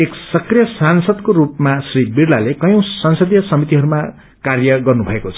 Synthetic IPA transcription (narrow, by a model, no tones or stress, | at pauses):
eksʌkrijʌsansʌd̪koɾupmasribirlalekʌjõw̃sʌnsʌd̪jʌsʌmit̪iɦʌɾuma | karjʌɡʌrnubʱʌekot͡sʰʌ